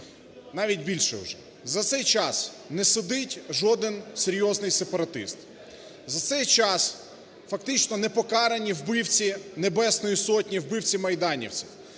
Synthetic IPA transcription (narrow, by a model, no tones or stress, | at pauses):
nɑʋʲit̚ʲbʲilʲʃɛ̰ʊ̰ʒɛ | zɐt̪sɛjt͡ʃɑs | nɛsʊd̪ɪtʲʒɔd̪ɪnseɾʲjɔznɪjsepɐɾɐt̪ɪ̰st̪ | zɐt̪sɛjt͡ʃɑs | fɐk̚t̪ɪt͡ʃnɔnɛpɔkɑɾɐnʲiwbɪwt͡sʲinebɛsnɔjisɔtʲnʲiwbɪwt͡sʲimɐjd̪ɑnʲḭwt͡sʲiw